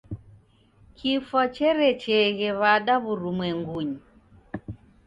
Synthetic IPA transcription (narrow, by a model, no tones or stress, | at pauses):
kʰifat͡ʃɛɾɛt͡ʃɛɣɛβaɗaβuɾumwɛŋɡuɲi